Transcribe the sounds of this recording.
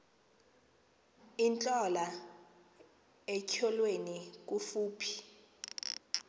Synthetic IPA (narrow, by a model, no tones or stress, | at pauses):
int͡ɬʼɔla | ɛcʰɔlwenik̬ufuːpʰi̥